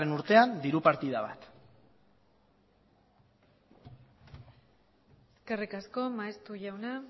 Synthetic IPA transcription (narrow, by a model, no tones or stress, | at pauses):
enuɾt̪e̞and̪iɾupaɾt̪iðaβa̰t̪ | eske̞rikasko̞maest̪uʝawna